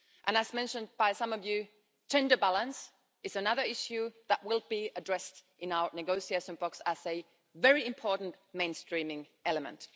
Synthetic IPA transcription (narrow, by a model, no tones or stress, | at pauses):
ʔə̃nɨzmɛ̃nʃɨ̃n̚baɪsʌ̃mʌvjʉ̥ | d͡ʒɛ̃ndə˞bælˠə̃ns | ɨzsɨnʌðə˞ɪʃjʉðəʔ̚wɪlˠbiədɹɛstʔɨ̃naʊə˞nɨɡoʊsieɪʃə̃nbɔksəz̥ɨ | vɛɹiɨ̃mpʰɔɹʔn̩mẽɪ̃nstɹ̥ĩmɪ̃ŋ | ɛlˠəmə̰̃nt